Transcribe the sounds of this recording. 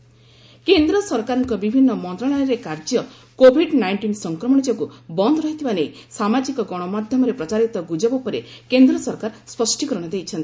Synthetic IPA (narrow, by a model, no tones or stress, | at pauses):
kend̪ɾɔsɔɾkaɾɔŋkɔbibʱinːɔmɔnt̪ɾɔɭ̃ɔjɔɾekaɾd͡ʒjɔ | kobʱiɖnajɳʈinsɔŋkɾɔmɔɽ̃id͡ʒɔkubɔnd̪ɾɔɦit̪ʰibanejsamad͡ʒikɔɡɔɽ̃ɔmad̪ʱjɔmɔɾepɾɔt͡ʃaɾit̪ɔɡud͡ʒabɔpɔɾekend̪ɾɔsɔɾkaɾspɔsʈikɔɾɔɽ̃ɔd̪ejt͡ʃʰɔnt̪i̥